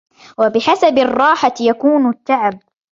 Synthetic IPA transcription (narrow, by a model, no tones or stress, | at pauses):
wabɪħasabɑrˤːɑːħajakuːnt̪ːaʕab̚